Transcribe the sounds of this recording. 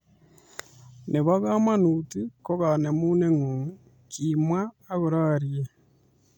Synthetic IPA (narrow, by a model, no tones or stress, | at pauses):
neβaɣaːmanutikoɣanemuːneŋoŋu | kiːmwaː | ɣuɾaɾije